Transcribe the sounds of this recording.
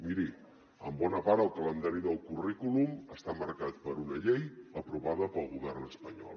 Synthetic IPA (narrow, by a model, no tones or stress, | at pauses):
miɾi | əmbɔnəpaɾəlˠkələnd̪aɾiðəlˠkurikuluməst̪aməɾkat̪pəɾunəʎejəpɾuβaðəpəlˠɣuβɛrnəspəɲɔ̰lˠ